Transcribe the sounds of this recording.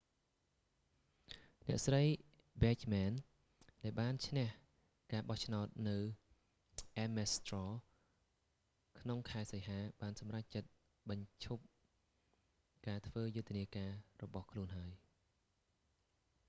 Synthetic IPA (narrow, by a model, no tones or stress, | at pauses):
nɛ̆əʔsrəj | bɛːt͡ɕmɛn | ɗaɛlɓaːnt͡ɕʰnɛ̆əh | kaːɓɑht͡ɕʰnaɔt̪̚nɨw | ʔɛmɛst̪rɔː | kʰnoŋkʰaɛsəjɦaːɓaːnsɑmrac̚t͡ɕət̪̚ | ɓɑɲt͡ɕʰup̚ | kaːt̪ʰʋəːjʊt̪ʰːiəniəkaːrɔɓɑhkʰluənɦaəj